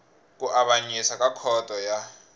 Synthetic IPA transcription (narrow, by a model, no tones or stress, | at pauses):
k̬ʼuʔaɓaɲisakʼakʰɔtʼɔja